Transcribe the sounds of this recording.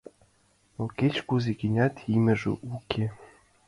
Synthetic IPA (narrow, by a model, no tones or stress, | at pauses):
oket͡ɕkuzeɡinʲɑt̪imʲɘ̆ʐɘ̰ʔukʲe